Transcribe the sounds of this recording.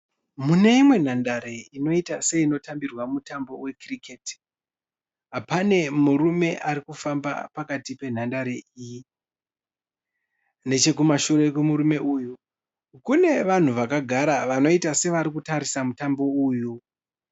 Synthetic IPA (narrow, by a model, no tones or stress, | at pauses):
mune̞imwe̞n̤andaɾe̞ino̞itase̞ino̞tambirwamutambo̞we̞krikʰet | apane̞murume̞ʔaɾikufamba̰pakatipe̞n̤andaɾe̞iji | ne̞t͡ʃe̞kumaʃuɾe̞kemuɾume̞uːju | kune̞ʋan̤uʋakaɡʱaɾaʋano̞itase̞ʋaɾikutaɾisamutambo̞uju